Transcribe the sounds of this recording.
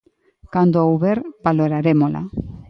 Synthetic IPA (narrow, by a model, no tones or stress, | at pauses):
kand̪oawβeɾb̥aloɾaɾemola̰